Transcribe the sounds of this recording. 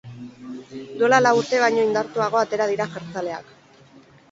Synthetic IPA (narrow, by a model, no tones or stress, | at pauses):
d̪olalauɾt̪e̞β̞ajɲo̞ind̪aɾt̪uaɣ̞o̞at̪e̞ɾað̞iɾaʝaɾt͡sale̞a̰k